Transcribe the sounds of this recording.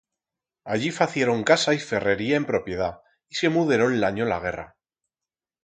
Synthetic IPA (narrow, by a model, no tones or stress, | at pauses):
aʝifaθje̞ɾo̞ŋkasaife̞re̞ɾiae̞mpɾo̞pje̞ð̞a | ise̞muðeɾo̞nlaɲola̰ɣ̞e̞ra̰